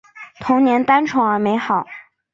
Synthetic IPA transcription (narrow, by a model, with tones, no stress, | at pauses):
t̪ʰʊ˧˥ŋnjɛ˧˥nt̪a˥nʈ͡ʂʰʊ˧˥ŋə˞˧˥me˧˥ɪxɑ˨˩˦ʊ